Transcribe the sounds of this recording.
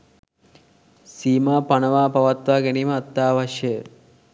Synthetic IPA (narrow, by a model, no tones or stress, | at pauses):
siːmaːpanəʋaːpaʋat̪ʋaːɡeniːməːt̪ːaːʋaʃjə